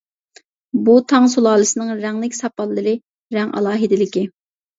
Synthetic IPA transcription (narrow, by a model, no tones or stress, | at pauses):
but̪ʰɑŋsulˠɑːlˠɨsɨnɨŋɾɛŋlɪkʲsɑpɑlːɨɾɨ | ɾɛŋʔɑ̰lˠɑːɦɨd̪ɪlɪkʲɪ